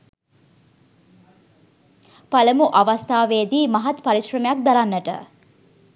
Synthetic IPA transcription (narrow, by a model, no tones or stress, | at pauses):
paləmuʔaʋast̪aːʋeːd̪iːmɐɦat̪paɾiʃrəmejak̚d̪aɾanːəʈə̰